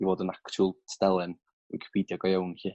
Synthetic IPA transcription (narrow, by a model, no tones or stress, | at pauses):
ivoːdənaktʰulˠtʰdɛlˠɛn | ḭkʰə̥pʰiːdjɔɡɔjawnhiː